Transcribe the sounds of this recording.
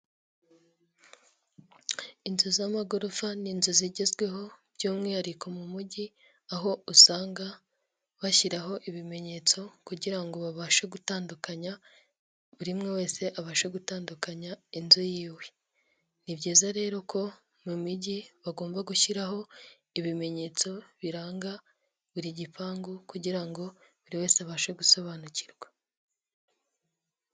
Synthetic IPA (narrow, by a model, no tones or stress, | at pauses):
inzozamaɡoɾofaninzoziɟezɡwe̞ɦo̞bɟuːmŋiaɾiko̞mumuɟi | aɦo̞usaːŋɡa | βaçiɾaɦo̞ʔiβime̞ɲe̞ːt͡so̞kuɟiɾaŋɡo̞βaβaʃaɡutaːndukaɲa | βuɾimŋe̞we̞ːse̞ʔaβaʃaɡutaːndukaɲainzojiːwe̞ | nibɟiːzaɾe̞ːɾo̞kʰo̞ | mumiɟiβaɡo̞ːmbaɡuçiɾaɦo̞ | iβime̞ɲe̞t͡so̞βiɾaːŋɡa | βuɾiɟipaːŋɡukuɟiɾaŋɡo̞βuɾiwe̞ːseaβaːʃeɡuso̞βaːnuciɾɡwḁ